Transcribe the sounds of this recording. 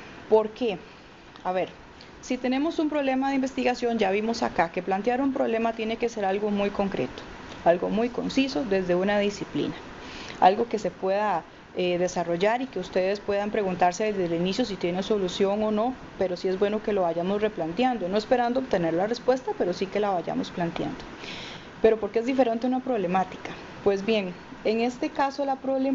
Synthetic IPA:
poɾke | aβe̞ɾ | sit̪e̞ne̞mo̞sumpɾoβle̞maðeimbe̞st̪iɣasjond͡ʒaβimo̞sa̰kake̞plant̪jaɾumpɾo̞βle̞mat̪je̞ne̞kese̞ɾalɡo̞mujko̞ŋkɾe̞̰t̪o̥ | alɡo̞mujko̞nsiso̞ðe̞zd̪e̞unaðisiplḭna | a̰lɡo̞ke̞se̞pwe̞ða | eðe̞saro̞ʝaɾike̞ust̪eðe̞spwe̞ðampɾe̞ɣunt̪aɾseðezdelinisjos̬it̪je̞neso̞lusjo̞ŋo̞no̞ | pe̞ɾo̞sie̞zbwe̞no̞ke̞lo̞βaʝamosre̞plant̪jand̪ono̞espe̞ɾand̪oop̚t̪ene̞ɾlarespwe̞st̪ape̞ɾosike̞laβaʝa̰mosplant̪ja̰nd̪o | pe̞ɾo̞poɾkeezd̪ife̞ɾe̞nt̪eunapɾo̞βle̞mat̪i̥ka | pwe̞zbje̞ŋ | eŋe̞st̪e̞kasolapɾoβle

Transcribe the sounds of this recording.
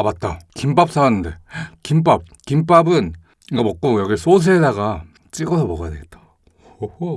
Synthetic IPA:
abat̚t͈akimp͈ap̚s͈aanːɯnde̞kimp͈ap̚kimp͈abɯn | iɡamʌk̚k͈ojʌɡis͈ʰos̬ʰɯɦedaɡa | t͡ɕ͈iɡʌsʰʌbʌɡajadeɡet͈̚ḁ | o

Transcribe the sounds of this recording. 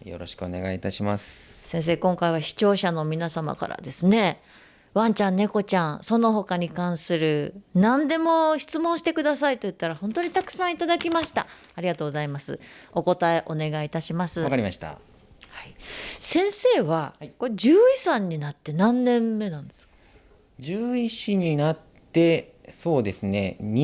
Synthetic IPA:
jo̰ɾo̞̰ɕi̥kɯone̞̰ɡait̪aɕimasɨ̥sẽɰ̃s̬e̞ːkõ̞ŋkaiβaɕi̥t͡ɕo̞ːɕano̞mʲinasama̰ka̰ɾa̰d̪e̞sɨne̞ | βãɲ̟t͡ɕãnːe̞ko̞t͡ɕãɰ̃so̞no̞ɦo̞kaɲ̟ikãɰ̃sɨɾɯ̟nãnd̪e̞mo̞çi̥t͡sɨmõ̞ɰ̃ɕi̥t̪e̞kɯ̟d̪asait̪o̞jɯ̟t̪ːaɾahõ̞nt̪o̞ɲ̟it̪akɯ̟̥sãɰ̃it̪ad̪akʲimaɕi̥t̪a̰ | aɾʲiɡat̪oːɡo̞zaimasɨ̰o̞ko̞t̪aeʔo̞ne̞ɡait̪aɕimasɨakaɾʲima̰ɕi̥t̪a̰ | haisẽ̞ɰ̃se̞ːβakod͡ʑɨːisãɲ̟ːinat̪ːe̞nãnːẽ̞mːe̞nãnd̪e̞skkḁ | d͡ʑɨːiɕiɲ̟inat̪ːe̞ | so̞ːd̪e̞sɨne̞̰ɲ

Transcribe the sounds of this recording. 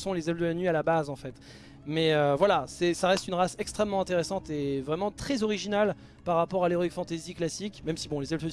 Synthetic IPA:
sɔ̃lezɛlfd̪əlanɥialabazɑ̃fɛt̪ | mɛøvwalasɛsaʁɛst̪ynʁasɛkst̪χɛmːɑ̃ɛ̃t̪eʁesɑ̃t̪evʁɛmɑ̃t̪χɛzɔʁiʒinal | paʁːapɔʁaleʁɔikfɑ̃t̪eziklasikmɛmsibɔ̃lezɛlfø

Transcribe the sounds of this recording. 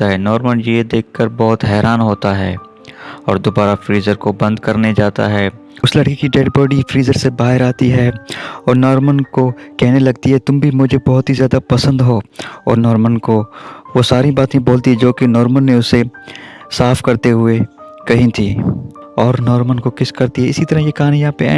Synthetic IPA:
aɦɛːnɔːɾmənjed̪eːkʰːəɾbɔːt̪ɦɛːɾʔaːnɦoːt̪aɦɛ̰ː | ɔ̰ːɾd̪oːbaːɾafɾiːzəɾkobɐ̃nd̪kɐɾned͡ʒaːt̪a̰ɦɛː | ʊslɐɽkikiɖeːɖbɔːɖifɾiːzəɾsebaːɦɪɾaːt̪iɦɛɔːɾnɔːɾmənkokɛɦnelɐɡ̚t̪iɦɛt̪ʊmbʱimʊd͡ʒʱebɔɦʊt̪ɦizjaːd̪apɐsə̃nd̪ɦoːɔ̰ːɾnɔːɾmənkoʋosaːɾibaːt̪ẽboːlt̪iɦɛd͡ʒoːkenɔːɾmənːeʊse | saːfkɐɾt̪eɦʊe | kɐɦĩt̪ʰiː | ɔːɾnɔːɾmənkokɪskɐɾt̪iɦɛɪsit̪ɐɾəɦjekaaːnẽjɐãːpḛ

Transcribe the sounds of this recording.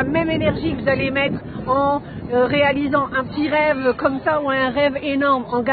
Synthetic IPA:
amɛmenɛʁʒikəvuzalemɛt̪χɑ̃ʁealizɑ̃ʔɛ̃pət̪iʁɛvkɔmsauɛ̃ʁɛvenɔʁmɑ̃ɡa

